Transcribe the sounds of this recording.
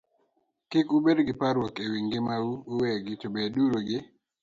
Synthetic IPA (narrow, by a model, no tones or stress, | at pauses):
kɪkubedɡɪpaɾwɔkewiŋɡɪmawuuweɡɪtobeduɾoɡɪ